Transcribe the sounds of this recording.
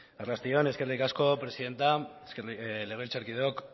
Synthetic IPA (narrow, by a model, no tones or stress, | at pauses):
arlast̪io̞ne̞ske̞rlikasko̞pɾe̞siðe̞nt̪a | leɣelt͡saɾkiðeok